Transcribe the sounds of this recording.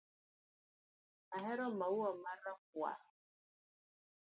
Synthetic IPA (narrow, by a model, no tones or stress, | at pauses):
aɦɛɾɔmawuɔmaɾakwa̰